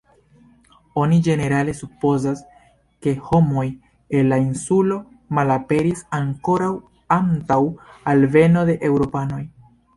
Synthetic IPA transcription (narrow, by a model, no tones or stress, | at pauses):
o̞nid͡ʒe̞ne̞ɾale̞supo̞zas | ke̞ho̞mo̞j | e̞lːainsulo̞ | malape̞ɾisaŋko̞ɾaw | antawalve̞no̞de̞ʔewɾo̞pano̞j